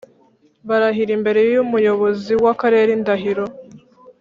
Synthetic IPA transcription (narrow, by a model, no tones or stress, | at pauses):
βaɾaɦiɾimbe̞ɾe̞jjumujo̞βo̞ziwakaɾe̞ːɾindaɦiɾo̞